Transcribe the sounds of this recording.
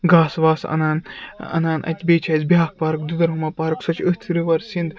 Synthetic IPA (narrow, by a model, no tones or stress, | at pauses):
ɡaːsʋaːsɐ̰naːnɐ̰naːnʔɐ̰t̪ʲbʲeːt͡ʃʰaːzbʲaːk̚paːɾɐkd̪ud̪ɐɾɦɐmaːpaːɾɐksɐt͡ʃʰət͡s̪ʰɾiʋɐɾsind̪